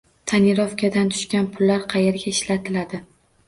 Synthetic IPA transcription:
t̪ʰaniɾɒfkʲʰad̪ant̪ʰʊ̥ʃkʲanpʰʊlːaɾqʰɑjeɾɡʲaɪʃlat̪ʰɪlad̪ɪ

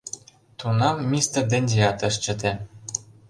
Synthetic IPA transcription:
t̪unɑmːist̪ə̆rd̪ĕnʲzeɑt̪ə̆ʃ̬t͡ɕə̆t̪e

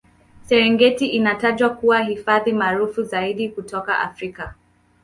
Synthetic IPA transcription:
sɛɾɛŋɡɛtiʔinataʄwakuwaɦifaðimaːɾufuzaiɗikutɔka̰ʔa̰fɾika

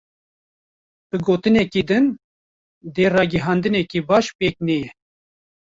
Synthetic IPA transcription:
b̥ɨɡoːt̪ɨnɛkid̪ɨn | d̪eːrɑːɡɨɦɑnd̪ɨnɛkibɑːʃpeːk̚nɛjɛ

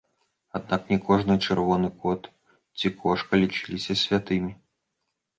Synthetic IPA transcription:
ad̪naknʲɛkɔʐnɨt͡ʂɛrvɔnɨkɔt̪ | t͡sʲikʰɔʂkɐlʲit͡ʂɨlʲisʲɐsʲvʲat̪ɨmʲi

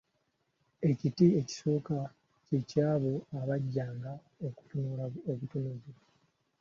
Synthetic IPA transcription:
e̞citie̞ci̥so̞ːka | cecaːβo̞aβaɟːaːŋɡa | oku̥tunolaoβutunozi

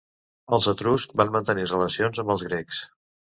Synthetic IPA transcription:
əlˠzət̪ɾust̚banmənt̪ənirələsionzəmbəlˠzɣɾeks

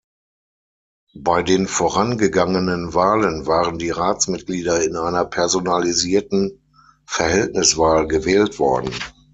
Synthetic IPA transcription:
baɪdeːnfoːʁanɡəɡaŋənənvaːlənvaːʁəndiːʁaːt͡smɪt̚ɡ̥liːdɐɪnʔaɪnɐpʰɛɐzonaliziːɐtn̩ | fɛɐhɛltnɪsv̥aːlɡəvɛːltv̥ɔ̰ɐdn̩

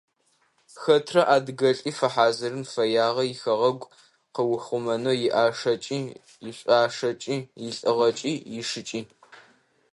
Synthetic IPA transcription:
xɐtʰrɐʔaːdɡɐɬʼiːfɐħaːzɨɾɨmfɐjaːʁɐjɪxɐʁɐɡʷ | qəwʊxʷʊmɐnoːjɪʔaːʂɐt͡ʃʼiː | jɪɕʷʼaːʂɐt͡ʃʼiːjɪɬʼɨʁɐt͡ʃʼiːjɪʂɨt͡ʃʼiː

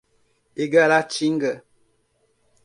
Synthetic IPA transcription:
eɡalat͡ʃiŋɡə

